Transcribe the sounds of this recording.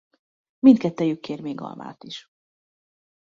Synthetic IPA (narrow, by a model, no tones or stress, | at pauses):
mint̪̚kɛt̪ːɛjykʰːeːrmeːɡɒ̰lma̰ːt̪iʃ